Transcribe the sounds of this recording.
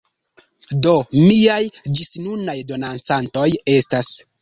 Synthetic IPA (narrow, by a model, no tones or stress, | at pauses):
do̞miajd͡ʒisnunajdo̞nant͡santo̞je̞stas